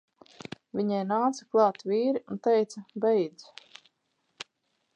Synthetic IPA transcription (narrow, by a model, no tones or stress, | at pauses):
vʲiɲɛjnaːt̪saklˠɑːt̪viːɾiunt̪ɛjt̪sɐbɛjd̪z